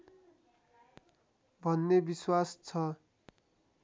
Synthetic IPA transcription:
bʱʌnːebiswast͡sʰʌ

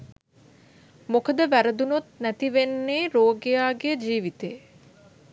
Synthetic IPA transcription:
mokəd̪əʋæɾəd̪unut̪næt̪iʋenːeːɾoːɡejaːɡed͡ʒiːʋit̪ej

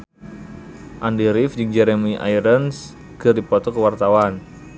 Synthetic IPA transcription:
ʔandiɾifd͡ʒɨŋd͡ʒɛɾɛmiʔa̰jɾəns | kɨrdipɔt̪ɔkəwart̪awan

